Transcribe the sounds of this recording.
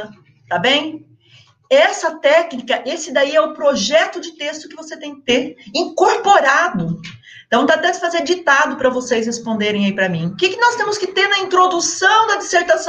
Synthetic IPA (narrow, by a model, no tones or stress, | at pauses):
t̪abẽj̃ | ɛsɐt̪ɛknikɐʔesɪd̪aiɛʊpɾoʒɛt̪ʊd͡ʒɪt̪est̪ʊkɪvoset̪ẽj̃kɪ̥t̪eɾĩŋkoɾpoɾad̪ʊ̃ | t̪ɐ̃w̃t̪at̪ɛ̃sɪ̥fazeɾd͡ʒit̪ad̪ʊpɾɐvosejshespõnd̪eɾẽj̃aipɾɐmḭ̃ʊkɪkɪnɔst̪ẽmʊskɪt̪eɾnɐĩnt̪ɾod̪usɐ̃w̃d̪ɐd͡ʒiseɾt̪asɐ̃